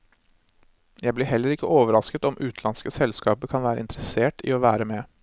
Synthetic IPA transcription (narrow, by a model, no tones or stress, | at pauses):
jæɪblɪɦɛlːəɾɪkːəʔoːʋəɾɑskət̪ɔmʔʉːt̪ʰlɑnskəsɛlskɑːpəkʰɑnʋæːɾə̰ɪ̰nt̪əɾəseːʈɪ̰ːoːʋæːɾəmɛ